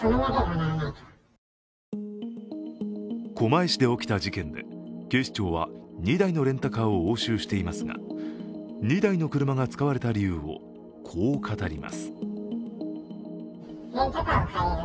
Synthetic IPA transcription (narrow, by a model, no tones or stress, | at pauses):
kʰo̞maeɕid̪e̞o̞kʲi̥t̪ad͡ʑikẽ̞nd̪e̞̰ke̞ːɕi̥t͡ɕo̞ːβa̰ɲid̪aino̞ɾẽ̞nt̪akaːo̞oːɕɨːɕi̥t̪e̞imasɨɡa̰ | ɲ̟id̪aino̞kɯ̟ɾɯ̟maɡat͡sɨ̥kaβaɾe̞t̪aɾʲijɯːo̞̰ | kʰo̞ːkʰat̪aɾʲima̰sɨ̥